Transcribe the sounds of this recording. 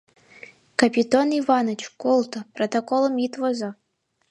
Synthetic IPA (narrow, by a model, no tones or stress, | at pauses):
kɐpʲit̪onivanɐt͡ʃʰkolˠt̪ʰprot̪okolˠəmit̪vɔzɐ